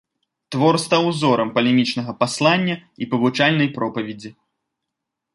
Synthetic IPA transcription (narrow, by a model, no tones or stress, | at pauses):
t̪vɔrst̪awzɔɾɐmpɐlʲɛmʲit͡ʂnɐɣɐpaslˠanʲːɐipɐvut͡ʂalʲnɐjpɾɔpɐvʲɛd͡zʲi